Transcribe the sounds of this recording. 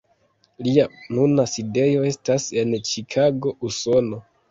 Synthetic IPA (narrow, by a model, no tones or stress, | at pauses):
lianunaside̞jo̞e̞stase̞nt͡ʃikʰaɡo̞ʔuso̞no̞